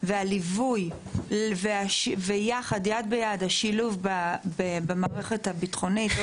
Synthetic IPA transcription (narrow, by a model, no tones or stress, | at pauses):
vealivuj | veaʃvejaχad̪jad̪̚bejad̪haʃiluvbabebemaːʁeχethabitχo̞nit